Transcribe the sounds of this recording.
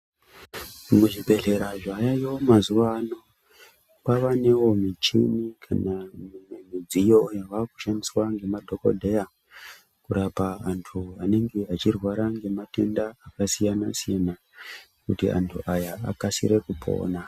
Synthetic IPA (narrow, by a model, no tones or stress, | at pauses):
muʐibʱe̞ɮe̞ɾaʐajajomazuʋaːno̞ | paʋane̞wo̞mit͡ʃḭnikʰa̰namid͡zijo̞jaʋaku̥ʃandiswaŋɡe̞madʱo̞ko̞̰dʱe̞ja | kuɾapaːntʰuane̞ŋɡe̞at͡ʃirwaɾaŋɡe̞mate̞ndaːkasijanasijana | kutḭʔa̰ntʰuʔajaa̰kasḭɾe̞kupʰo̞̰ːna